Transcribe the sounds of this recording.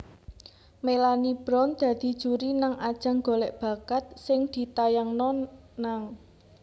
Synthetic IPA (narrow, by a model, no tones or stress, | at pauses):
melanib̥ɾɔnd̪̥ä̤d̪̥i̤d̥ʒ̥uɾinaŋad̥ʒ̥ä̤ŋɡo̤lɛʔb̥ä̤kat̪̚sɪŋd̪̥i̤t̪ajaŋnɔ | naŋ